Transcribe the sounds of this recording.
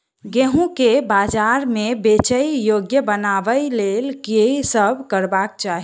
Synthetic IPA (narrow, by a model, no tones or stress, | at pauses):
ɡeɦũkebad͡ʒaɾmebet͡ʃəjjoɡjəbənaʋəɪlelkesəbʱkəɾbak̚t͡ʃaɦi